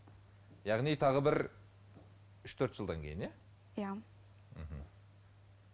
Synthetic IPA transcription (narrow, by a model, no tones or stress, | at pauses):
jɑʁnijt̪ʰɑʁəbɪɾ | ʏʃt̪ʰɵɾt̪ʒəlˠd̪ɑŋkʲʰe̞jɪnje | ja | m̩ɦm̩